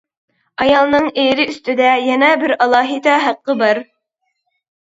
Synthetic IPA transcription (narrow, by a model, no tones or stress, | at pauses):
ɑjɑlˠnɨŋeːɾɪyst̪ɪd̪ɛjɛnɛbɪɾɑlˠɑːɦid̪ɛɦæqːəbɑɾ